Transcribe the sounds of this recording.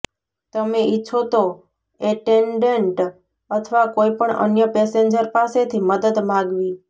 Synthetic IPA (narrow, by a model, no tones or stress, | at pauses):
t̪əmeiːt͡ʃʰot̪o | eʈeɳɖeɳʈ | ət̪ʰʋakoipəɳə̰njəpeseɲd͡ʒəɾpaset̪ʰiməd̪əd̪mãɡʋi